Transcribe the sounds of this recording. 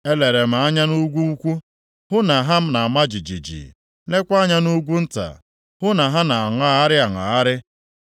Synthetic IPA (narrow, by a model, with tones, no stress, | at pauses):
e˦le˨ɾe˨m̩˨a˦ɲa˦nu˦ɡʷu˦u˦kʷu˦ | hʊ˦na˨ɦa˦m̩˦na˨a˨ma˦d͡ʒi˨d͡ʒḭ˨d͡ʒḭ˨ | le˦kʷa˦ɲa˦nu˦ɡʷu˦n̩˦ta̰˨ | hʊ˦na˨ɦa˦na˨a˨ŋa˦a˦ɾɪ˦a˨ŋa˨a˦ɾɪ˦